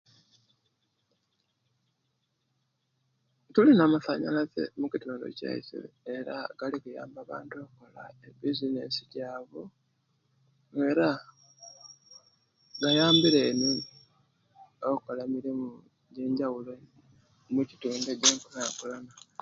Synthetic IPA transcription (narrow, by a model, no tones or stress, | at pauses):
tulinamufaɲa̰laze̞̰mucituːndo̞̰ca̰ḭsḭeɾa̰ɡ̥alikuja̰ːmbaβa̰ːntuokko̞laebizinḛsicaːβo | eɾa | ɡajaːmbiɾenin | okolamiɾimu | je̞ːɲɟawulo̞ | mucituːndeɟeːŋkunaːkulana